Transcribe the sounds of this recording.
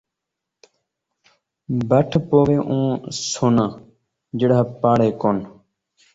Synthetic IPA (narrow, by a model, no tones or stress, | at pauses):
bəʈʰpoːʋeːʔũːsoːnãː | d͡ʒəɽaːpaːɽeːkoːn